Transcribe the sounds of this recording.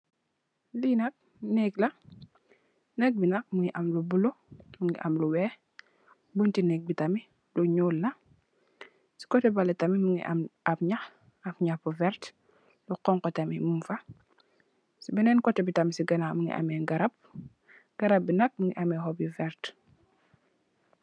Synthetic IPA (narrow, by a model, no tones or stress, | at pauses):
linɐk̚ | nɛɡlɐ | nɛk̚binɐk̚muŋɡiʔɐmlubulomuŋɡiʔa̰mluwɛː | buntinɛk̚bitami | luɲuːlːɐ | si̥kɔtɛbalɛtamimuŋɡḭʔmʔafɲax | afɲapuvɛɾt | luqɔŋkɔtɐmimumfɐ | sibinɛːnkɔtɛbitɐmisiɡɐnamuŋɡḭʔa̰mɛɡɐɾɐp̚ | ɡ̥ɐɾɐp̚binɐk̚muŋɡiʔamɛhɔbjifɛɾt